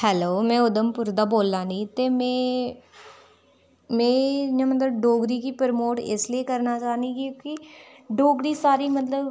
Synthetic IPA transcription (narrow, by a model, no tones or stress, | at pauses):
hɛːloːmɛ̃ːʊd̪əmpʊɾd̪aːboːlːaːnĩːt̪eːmɛ̃ː | mɛ̃ːjãːmət̪ləbɖoːɡɾiːkiːpəɾmoːʈɪ̰slieːkəɾnaːt͡ʃaːniːkːkɪ | ɖoːɡɾiːsaːɾiːmət̪ləb